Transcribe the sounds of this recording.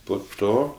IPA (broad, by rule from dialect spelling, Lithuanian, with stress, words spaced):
poː ˈtoː